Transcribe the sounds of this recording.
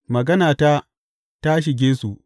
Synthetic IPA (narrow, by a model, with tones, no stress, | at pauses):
mɐ˨ɡɐ˦naː˨ta˦ | ta˦ʃ̬ɪ˨ɡʲeː˦su˨ʔ